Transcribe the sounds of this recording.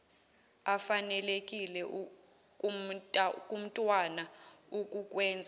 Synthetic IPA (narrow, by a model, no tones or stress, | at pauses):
afanɛlekʼilɛ | kʼum̩tʼwanaukʼukʼwɛːnd͡zʱa